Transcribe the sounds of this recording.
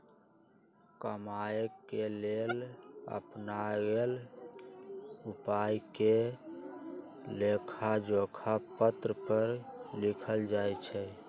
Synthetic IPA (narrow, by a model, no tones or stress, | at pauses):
kəmaekelelə̰pnaɡel | upajke | lekʰad͡ʒokʰapət̪ɾəpəɾlikʰəld͡ʒajt͡ʃʰɛ